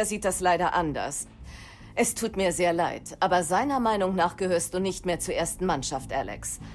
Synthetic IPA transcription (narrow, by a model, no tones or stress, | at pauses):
ɐziːt̚d̥aslaɪɾɐʔandɐ̰s | ʔɛstʰuːtmiːɐzeːɐlaɪtʔaːbɐzaɪnɐmaɪnʊŋnaːχɡ̥əhøːɐstd̥uːnɪçtmeːɐt͡suːɐʔeːɐstn̩manʃaftʔalɛ̰ks